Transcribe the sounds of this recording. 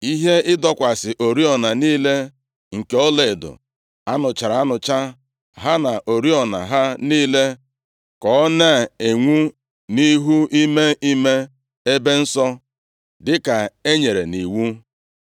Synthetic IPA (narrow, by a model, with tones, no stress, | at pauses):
i˦ɦe˦ɪ˦dɔ˨kʷa˨sɪ˨ʔo˨ɾi˦ɔ˨na˨niː˦le˦ | ŋ̩˨ke˨˦ɔ˦le˨dʊ̰˨ | a˦nʊ˨t͡ʃa˨ɾa˨a˦nʊ˨t͡ʃa˦ | ɦa˦na˨ʔo˨ɾi˦ɔ˨na̰˨ɦa˦niː˦le˦ | kɔ˦nɛ˦˨e˨ŋʷu˦ | ni˦ɦu˦i˦me˦i˦me˦ | e˦be˦n̩˦sɔ˦ | dɪ˦ka˨e˦ɲe˨ɾḛ˨ni˨wu˦